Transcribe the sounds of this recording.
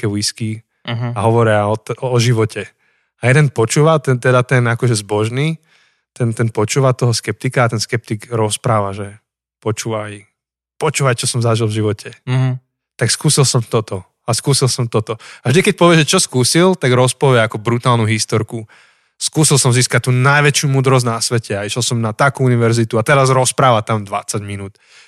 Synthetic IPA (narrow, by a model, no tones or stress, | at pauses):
kɛʋiski | ɦaɦɔʋɔɾɪaɔɔʒiʋɔcʰɛ | ajɛd̪ɛnpɔt͡ʃuːʋat̪ɛnt̪ɛd̪at̪ɛnakɔʒɛzbɔʒniː | t̪ɛnt̪ɛnpɔt͡ʃuːʋat̪ɔɦɔskɛp̚t̪ikaːt̪ɛnskɛp̚t̪iɡɾɔspɾaːʋaʒɛ | pɔt͡ʃuːʋaj | pɔt͡ʃuːʋajt͡ʃɔsɔmzaʒilˠvʒiʋɔcʰɛ | t̪akskuːsilˠsɔmt̪ɔt̪ɔ | askuːsilˠsɔmt̪ɔt̪ɔavʒd̪ikɛc̚pɔʋɪɛʒɛt͡ʃɔskuːsilt̪aɡɾɔspɔʋɛakɔbɾut̪aːlnuɦist̪ɔɾku | skuːsilˠsɔmziːskac̚t̪uːnajʋɛt͡ʃɪumuːd̪ɾɔzɟnasʋɛcɛaiʃɛlˠsɔmnat̪akuːuniʋɛɾzit̪uat̪ɛɾazɾɔspɾaːʋat̪amd̪ʋa̰t͡saɟminuːt̪